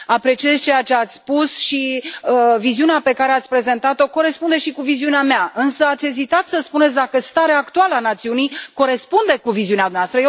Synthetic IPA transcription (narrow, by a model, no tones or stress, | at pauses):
apɾe̞t͡ʃie̞zt͡ʃe̞jat͡ʃe̞at̪sʲpusʃiəviziuneape̞kaɾeat̪sʲpɾe̞ze̞nt̪at̪o̞ko̞ɾe̞spund̪e̞ʃikuviziuneameaɨnsəat̪sʲe̞zit̪at̪səspunet̪sʲd̪akəst̪aɾeaːkt̪ualəanat̪siunijko̞ɾe̞spund̪e̞kuviziunead̪umnavast̪ɾəje